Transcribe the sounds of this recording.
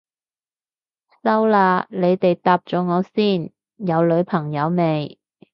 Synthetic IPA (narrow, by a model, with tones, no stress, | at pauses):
sɐ˥wlaː˧le˨˧jt̪e˨jt̪aː˨p̚t͡ʃɔː˨˧˥ŋɔː˨˧siː˥˩n | jɐ˨˧wlɵ˨˧˥ɥpʰɐ˨˩ŋjɐ˨˧wme˨˧j